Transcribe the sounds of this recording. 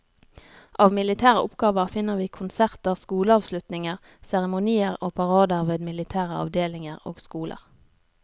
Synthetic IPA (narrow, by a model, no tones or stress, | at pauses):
ʔɑːʋmɪlɪt̪ʰæːʁə̰ʔʊpɡɑːʋəʁfɪnːəʁʋiːkʰʊnsæʁt̪əʁskuːləɑːʋslʉt̪nɪŋəʁ | sæʁəmʊniːəʁoːpʰɑʁɑːd̪əʁʋeːd̪mɪlɪt̪ʰæːʁəɑ̰ʋd̪eːlɪŋəʁo̰ːɡskuːlʔə̰ʁ